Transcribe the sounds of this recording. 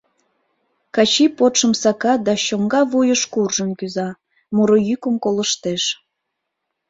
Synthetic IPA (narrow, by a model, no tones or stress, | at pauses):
kɑt͡ɕipot̪ʃəmsɑkɑd̪ɑɕoŋɡɑvujəʃkurʒəmkyzɑ | muɾojykəmkoləʃt̪eʃ